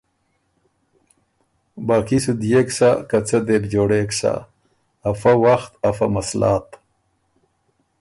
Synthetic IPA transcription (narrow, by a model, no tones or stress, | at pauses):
baːkisud̪jeksakat͡sad̪ebd͡ʒoːɽeːksa̰ | afawaxt̪afamaslaːt̪